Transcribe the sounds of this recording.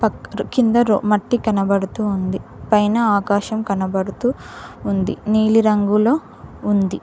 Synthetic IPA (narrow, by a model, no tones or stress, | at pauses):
pɐkind̪ɐɾo̰ːmɐʈːikɐnɐbɐɽut̪uːnd̪ipɐjnɐaːkaːʃɐmkɐnɐbɐɽut̪uːnd̪ḭniːliɾɐŋɡuloː | und̪i